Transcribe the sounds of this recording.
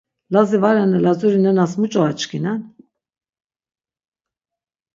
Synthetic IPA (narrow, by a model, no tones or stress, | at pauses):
lazivaɾanɛlazuɾinɛnasmut͡ʃʼɔat͡ʃkʰinan